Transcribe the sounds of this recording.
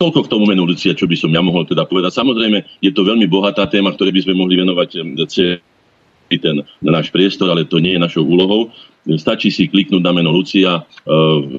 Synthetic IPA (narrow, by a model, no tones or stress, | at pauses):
ɔlkɔkt̪ɔmumɛnulut͡siat͡ʃɔbisɔmjamɔɦɔlt̪ɛd̪apɔʋɛd̪acsamɔzɾɛjmɛjɛt̪ɔʋɛʎmibɔɦat̪aːt̪ɛːmakt̪ɔɾɛːbizmɛmɔɦliʋɛnɔʋact͡sɛ | it̪ɛnnaːʃpɾɪɛst̪ɔɾalɛt̪ɔɲɪɛjɛnaʃɔʊʔuːlɔɦɔʊ | st̪at͡ʃisikliknuːɟnamɛnɔlut͡sia